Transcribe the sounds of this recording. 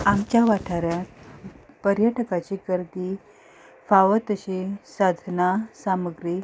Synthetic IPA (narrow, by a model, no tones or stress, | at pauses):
amt͡ɕjaʋaʈʰaɾjat̪ | pəɾjəʈəkat͡ɕikəɾt̪i | faʋət̪əɕesad̪ʱənasaməɡɾi